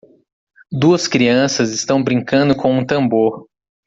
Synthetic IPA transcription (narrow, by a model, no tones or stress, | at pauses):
d̪uɐskɾiɐ̃sɐzɪst̪ɐ̃w̃bɾĩŋkɐ̃nd̪ʊkʰõũt̪ɐ̃mboɾ